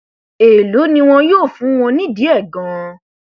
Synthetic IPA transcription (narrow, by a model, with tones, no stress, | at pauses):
e˨lo˨˦nĩ˧w̃ɔ̃˧joː˦˨fũ˨˦w̃ɔ̃˧nĩ˦˨di˨˦ɛ˦˨ɡã˨˦